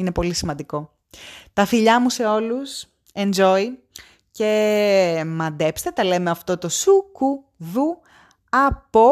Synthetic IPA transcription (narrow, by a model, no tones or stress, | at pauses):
ine̞po̞lisimɐnd̪iko̞ | t̪ɐfiʎɐmuse̞o̞lus | e̞nd͡ʒo̞i | ce̞ | mɐd̪e̞pst̪e̞t̪ɐle̞meɐft̪o̞t̪o̞suku | ðu | ɐpo